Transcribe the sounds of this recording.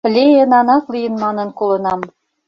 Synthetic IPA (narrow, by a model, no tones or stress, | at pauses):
lʲejĕnɑnɑklijɤ̆nmɑnɤ̆nkulˠɤ̆nɑm